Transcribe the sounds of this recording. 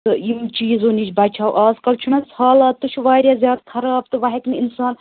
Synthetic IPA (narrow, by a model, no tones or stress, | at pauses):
ɨimt͡ʃiːzoːnit͡ʃbɐt͡ʃʰaːwʔaːzkɐlt͡ʃʰunɐshaːlɐt̪ːuʃʰuʋaːɾʲjaːzjaːd̪k̪ʰɐɾaːbt̪ɨʋɐɦeknɨinsaːn